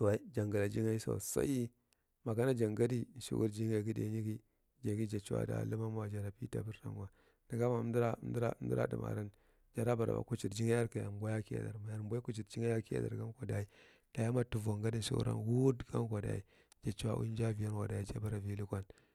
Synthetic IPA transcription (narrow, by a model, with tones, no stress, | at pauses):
sa˨˦d͡ʒa˨ŋɡa˨la˨d͡ʒi˦ŋa˦i˦so̰˨sa̰˦i˦ | ma˨ka˦na˦d͡ʒa˨ŋɡa˦di˦n˨ʃḭ˦ṵ˦ɾd͡ʒi˦ŋa˨ɡi˦dḛ˨˦ɲi˦ɡi˦ | d͡ʒa˨ɡi˦d͡ʒa˨t͡ʃi˦a̰˦da̰˨lə˦ma˦ma˦wa˨d͡ʒa˨ɾa˨pi˦ta̰˦bi˦ɾta̰˨nwa˨ | di˨ɡa˦ma˨˦dɾa˦m˦di˦ɾa̰˦m˦di˦ɾa̰˦dḭ˨ma̰˨ɾa˦n | d͡ʒa˨ɾa˦ba˨ɾa̰˨a̰˨ku˦t͡ʃi˨ɾd͡ʒi˦ŋa˦ja˦ɾka˨ja˨mbʷa˦ja˦ki˦ja̰˨da̰˨ɾma˨ja˨ɾmbʷo˦i˦ku˦t͡ʃi˨ɾd͡ʒi˦ŋa˦ja˦ki˦a̰˨da̰˨ɾɡa˦ko˨da˨i˦ | d̥a˨ja˦ma˦tu˨va˨ŋɡa˦di˨nʃḭ˦ṵ˦ɾa̰˦nwu˦dɡa˦nkʷa˨da̰˨i˦ | d͡ʒa˨t͡ʃi˦wa̰˦ʔṵ˦nd͡ʒa˦vi˨a˦nwa˨da˨i˦d͡ʒa˦ba˦ɾa˨vi˦li˦kʷa˦n